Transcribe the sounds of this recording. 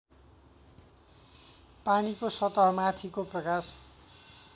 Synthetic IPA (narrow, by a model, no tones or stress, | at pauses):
panikosʌt̪ʌɦʌmat̪ʰikoprʌkas